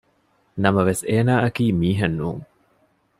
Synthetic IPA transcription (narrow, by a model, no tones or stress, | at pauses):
nɐmɐʋeseːnaːʔɐkiːmiːɦɐnːuːŋ